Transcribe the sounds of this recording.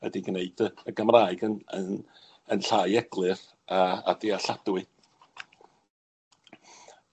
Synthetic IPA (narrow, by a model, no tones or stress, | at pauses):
ə̰diɡneɨdəəɡəmraːɨɡənən | ənɬaːɨɛɡ̥lˠɨr | aa̰deaɬad̥wɨ